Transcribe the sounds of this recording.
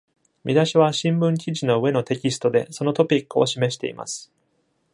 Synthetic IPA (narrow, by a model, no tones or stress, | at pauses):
mʲid̪aɕiβ̞aɕĩmbɯ̟̃ŋk̬ʲiʑino̞ɯ̟e̞no̞t̪e̞kʲisɨ̥t̪o̞d̪e̞̰so̞no̞t̪o̞pʲikːɯo̞̰ɕime̞ɕi̥t̪e̞̰ḭma̰sɨ̥